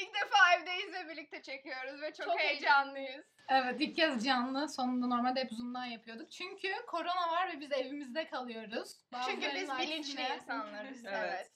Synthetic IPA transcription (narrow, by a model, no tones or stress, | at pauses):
ilc̚d̪efaːɛvd̪ejizvɛbiɾlʲic̚t̪ʰɛt͡ʃʰe̞cʰijo̞ɾuzvɛt͡ʃʰot͡ʃʰokhejed͡ʒanlˠɯjɯz̥ | ɛvɛt̪ilccʰazd͡ʒanlˠɯso̞nund̪ano̞ɾmalʲd̪ɛpuzund̪anjapʰɯjo̞d̪uk̚t͡ʃʰyɲcʰykʰo̞ɾo̞navaɾvɛbizevimizd̪ɛkʰalˠɯjo̞ɾuz̥baat͡ʃʰyɲcybizabilʲint͡ʃlʲiinsanlˠaɾɯevɛt̪